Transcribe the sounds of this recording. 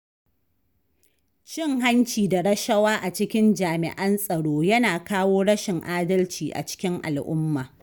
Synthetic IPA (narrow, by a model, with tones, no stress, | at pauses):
t͡ʃɪ˦ŋɦa˦nt͡ʃiː˨da˨ɽɐ˦ʃɐ˦waː˦ʔa˨t͡ʃɪ˦kʲɪ˦nd͡ʒaː˨mɪ̰˨ʔɐ˦nsʼɐ˨ɽoː˦jɐ˦naː˨kaː˦woː˦ɽɐ˦ʃɪ˨ŋʔaː˦dɐ˦lt͡ʃiː˨ʔa̰˨t͡ʃɪ̥˦kʲɪ˦ŋʔa̰˨lʔʊ˦mːaː˨